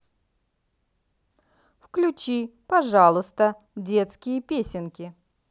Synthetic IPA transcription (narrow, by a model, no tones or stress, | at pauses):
fklʲʉt͡ɕipɐʐalˠʊst̪ə | dʲe̞t̪skʲɪjəpʲesʲɪnkʲɪ